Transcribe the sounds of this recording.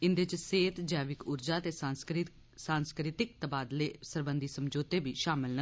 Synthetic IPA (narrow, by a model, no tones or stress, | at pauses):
ɪnd̪et͡ʃseːt̪d͡ʒɛːʋɪkʊɾd͡ʒaːt̪eːsask | sãːnskɾɪt̪ɪkt̪əbaːd̪leːsəɾbənd̪iːsəmd͡ʒoːt̪eːbiːʃaːmɪlnə